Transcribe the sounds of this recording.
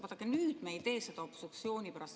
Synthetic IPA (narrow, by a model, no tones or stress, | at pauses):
vɑt̪ɑkenyːd̪̥mejt̪e̞ːsed̪ɑopsuk̪sio̞ːnʲipæɾɑs